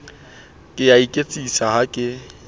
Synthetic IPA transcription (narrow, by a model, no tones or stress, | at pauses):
kʼɪjaikʼet͡sʼisaɦakʼɪ